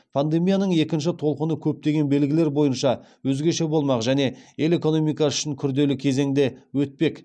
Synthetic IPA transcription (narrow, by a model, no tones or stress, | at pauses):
pʰand̪e̞mijanəɴe̞kʲɪnʃ̬ɪt̪ʰo̞lˠqənəkʲʰɵp̚t̪e̞ɡʲe̞nbe̞lɡʲɪle̞ɾbo̞jənʃɑwɵzɡʲe̞ʃe̞bo̞lˠmɑqʒæne̞je̞le̞ko̞no̞mijkɑʏ̥ʃɪŋkʲʰʏɾd̪e̞lɪkʲʰe̞ze̞ŋd̪e̞wɵt̪̚pe̞k